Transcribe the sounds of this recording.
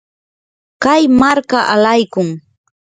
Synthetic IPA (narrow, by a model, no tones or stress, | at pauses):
kajmaɾkaʔalajkʊŋ